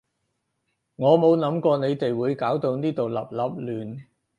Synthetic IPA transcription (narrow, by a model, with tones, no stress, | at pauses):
ŋɔː˨˧mo˨˧wlɐ˨˥mkɔː˧ne˨˧jt̪e˨jwuː˨˧jkaː˨˥wt̪o˧wniː˥t̪o˨wlɐ̰˨˩p̚lɐ˨p̚lyː˨˩n